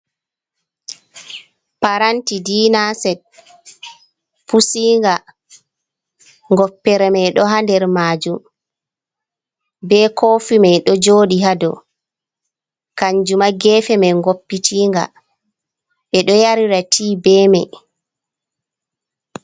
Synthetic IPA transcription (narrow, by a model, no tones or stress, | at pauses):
paɾantidiːnasɛd̚ | pusiːŋɡa | ŋɡɔpːɛɾɛmɛjɗɔɦandɛɾmaːd͡ʒum | bɛkʰoːfimɛɗɔd͡ʒoːɗihadɔ̰ | kaɲd͡ʒumaɡɛːfɛmɛŋɡopːitʰiːŋɡa̰ | ɓɛɗɔjaɾiɾatʰiːbɛːmɛ